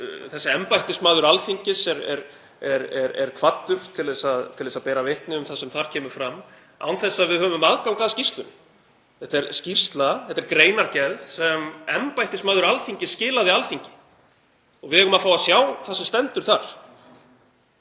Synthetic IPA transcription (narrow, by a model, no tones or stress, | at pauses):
θɛsːaɛmpajht̪ɪsmaːðʏɾalfiɲcɪsɛɾɛ̰ɾ | ɛɾɛɾɛ̰ɾ̥kʰvat̪ːʏɾ̥t̪ʰːɪlðɛsaðt̪ʰɪlɛsaðpɛːɾavɪht̪nɪʏmθasɛmθaɾ̥cʰɛːmʏɾ̥fɾam | a̰wnθɛsːaðvɪðhœːvʏmaðkawkʰvaːðascirst̪lʏnɪ | θɛt̪ɛɾscir̥st̪laθɛt̪ːɛɾkɾeːjnaɾcɛɾðsɛmɛmpajht̪ɪsmaːðʏɾalfiɲcɪscɪːlaðɪalθiɲcɪ̥ | ɔɣvɪðɛɣkʏmaðfaːwasjaːwθasɛmst̪ɛnt̪ʏɾ̥θaɾ̥